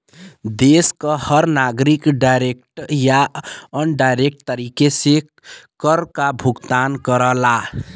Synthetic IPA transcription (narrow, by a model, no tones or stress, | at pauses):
d̪eskəhəɾnaɡɾikɖajɾek̚ʈjaənɖajɾek̚ʈt̪əɾikese | kəɾkabʱuɡt̪ankəɾəla